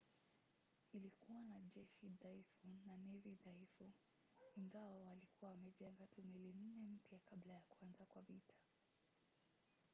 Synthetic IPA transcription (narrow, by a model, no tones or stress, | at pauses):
ilikuwanaʄɛʃiðaifunaniɾiðaifu | iŋɡawawalikuwawamɛʄɛŋɡatumilin̩nɛm̩pjakaɓlajakwanzakwavitʰḁ